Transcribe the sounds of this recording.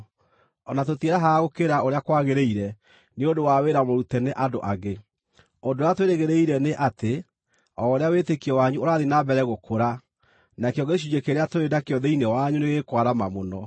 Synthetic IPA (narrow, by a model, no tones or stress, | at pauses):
ɔnatotieɾaɦaɣokeɾaoɾeakwaɣeɾeiɾɛ | neodowaweɾamoɾutɛneʔadoʔaɣe | ondojatweɾeɣeɾeiɾɛneʔate | ɔoɾeawetekiɔwaɲuoɾaðenabɛɾɛɣokʰoɾa | nakeɔɡeɕud͡ʒekeɾeatoɾedakeɔðɛinewaɲuneɣekwaɾamamonɔ